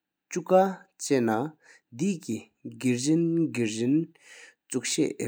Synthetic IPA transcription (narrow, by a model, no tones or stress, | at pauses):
t͡ɕukat͡ɕɛʔna | d̪ici | ɡiɹɹinɡiɹɹin | t͡suk̚ɕɛ̰ʔ